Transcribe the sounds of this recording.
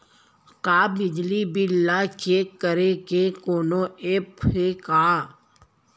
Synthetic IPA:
kaːbɪd͡ʒlibɪlːat͡ʃeːkːəɾekekoːnoeːpekaː

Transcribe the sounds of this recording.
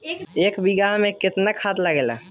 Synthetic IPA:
eːkbiɡamẽkɪt̪nekʰat̪ləɡelə

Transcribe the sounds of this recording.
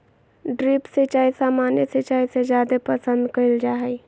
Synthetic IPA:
ɖɾipset͡ʃaːisaːmaːnjeset͡ʃaːised͡ʒjad̪epəsə̃nd̪kəild͡ʒaɦɛj

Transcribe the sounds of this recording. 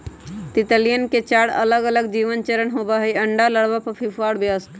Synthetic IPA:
t̪it̪əlijənket͡ʃaɽə̰ləɡələɡd͡ʒiʋənt͡ʃəɾənɦobəɦəiəɳɖaləɽbapəpʰipʰaɽbeəst̪

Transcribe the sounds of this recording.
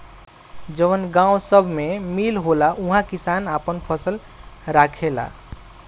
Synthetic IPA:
d͡ʒʌwənɡãw̃sʌbʱmemilɦolaʔũɦãkisanapənpʰʌsəl | ɾakʰela̰

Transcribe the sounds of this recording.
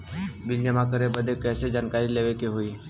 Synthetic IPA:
bɪljəmãkəɾebəd̪ʱekɛːsed͡ʒaːnkaːɾileːʋekeɦoiː

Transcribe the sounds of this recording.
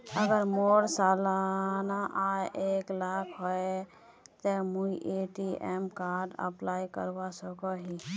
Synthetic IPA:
əɡəɾmoɽsalanaʔaʔeklakʰɦoe | t̪emuiʔeʈiḛmkaɾɖə̰plajkə̰ɾbasəkɔɦi

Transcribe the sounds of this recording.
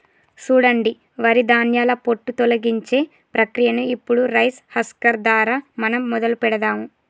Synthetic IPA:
suːɽɐɳɖi | ʋɐɾid̪aːnjaːlɐpo̞ʈːut̪ɔlɐɡiɲt͡ʃe̞ː | pɾɐkɾijɐnuipːuɽuɾɐjshɐskɐɾd̪aːɾaːmɐnɐmːɔd̪ɐlupɛɽɐd̪aːmu

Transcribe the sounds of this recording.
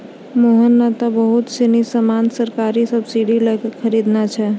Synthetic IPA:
moɦənːat̪abəɦut̪senisəmansəɾkaɾisəbsiɖilɛkekʰəɾid̪nat͡ʃʰɛ

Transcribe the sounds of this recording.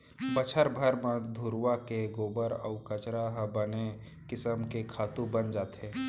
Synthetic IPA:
bət͡ʃʰəɾbʱəɾmə̃d̪ʱuɾwakeɡoːbəɾə̰ʊkət͡ʃɾaɦbəne | kɪsəmkekʰaːt̪ũbənd͡ʒaːt̪ɦẽː

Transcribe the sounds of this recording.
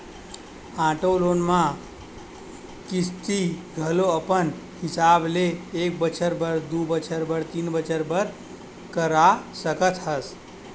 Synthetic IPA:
ãʈolonmã | kɪst̪iɡʱəloəpənhɪsableːk̚bət͡ʃʰəɾbəɾd̪ubət͡ʃʰəɾbəɾt̪iːnbət͡ʃəɾbəɾ | kəɾasəkət̪ɦəs

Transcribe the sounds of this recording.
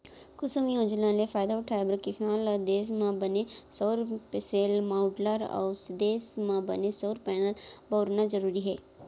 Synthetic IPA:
kʊsumijõːd͡ʒnãlefaːjd̪aʊʈʰaːebəɾkɪsaːlɔd̪eːsmãbənesoːɾpeseːlmaʊɖləɾɔ̰ːsd̪eːsmãbɐ̰nesoːɾpɛːnəlboːɾnazɐɾuːɾiɦɛː

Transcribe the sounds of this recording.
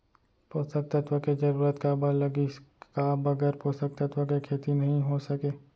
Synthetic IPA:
poːst̪ək̚t̪ət̪ʋəked͡ʒɐɾuːɾət̪kabɐlɐɡikabɐɡɛɾpost̪ək̚t̪ɐt̪ʋəkekʰeːt̪inɐɦĩɦosɐkeː

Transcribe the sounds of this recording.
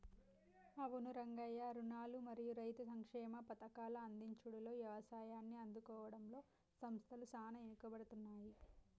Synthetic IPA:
ɐʋunuɾɐŋɡɐjɐɾunaːlumɐɾijuɾɐjt̪usɐŋkʂɛːmɐpɐt̪ɐkaːlɐːnd̪iɲt͡ʃuɽɐlo̞ːʋjɐʋɐsaːjaːnːiɐnd̪ukɔːʋɐɽɐmlo̞ː | sɐmst̪ʰɐlusaːnɐenukɐbɐɽut̪unːaːji

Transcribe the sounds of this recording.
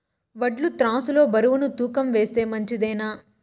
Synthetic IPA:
ʋɐɖlut̪ɾaːsulo̞ːbɐɾuʋunut̪uːkɐmʋeːst̪eːmɐɲt͡ʃid̪ɛːnaː

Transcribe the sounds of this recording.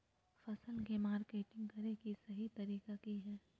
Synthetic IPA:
fɐsəlkemaːɾkeːʈɪ̃ŋɡkɐɾekisɐɦit̪ɐɾiːkakiɦɛː

